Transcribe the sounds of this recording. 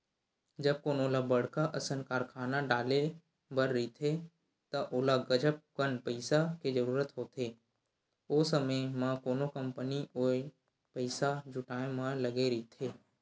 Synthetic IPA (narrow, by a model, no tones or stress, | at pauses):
d͡ʒəb̚koːnoːlabəɽ̤kaʔəsənkaːɾkʰaːnaɖaːle | bəɾːiit̪ʰe | t̪ɐʔoːlaɡəd͡ʒəp̚kənpəɪsaked͡ʒəɾuːɾət̪ɦoːt̪ʰeː | oːsəməjmãkoːnokə̃mpənioːe | pəɪsad͡ʒʱʊʈaːẽmãləɡeɾit̪ʰeː